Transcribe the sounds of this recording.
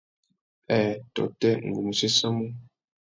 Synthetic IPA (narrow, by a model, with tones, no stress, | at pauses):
ɛ˨tɔ̰˨tɛ˦ŋ̩˨ɡu˨mu˨se˦sa˦mu˦